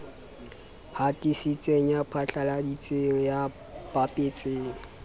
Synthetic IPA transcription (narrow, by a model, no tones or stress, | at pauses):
hatʼisit͡sʼeŋ̩japʰat͡ɬʰʼaladit͡sʼeŋ̩ja | pʼapʼet͡sʼeːŋ̩